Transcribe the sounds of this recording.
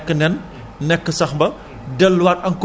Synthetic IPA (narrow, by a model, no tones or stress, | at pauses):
kːənɛn | nɛkːəsɐxbɐ | dəlwatɐŋku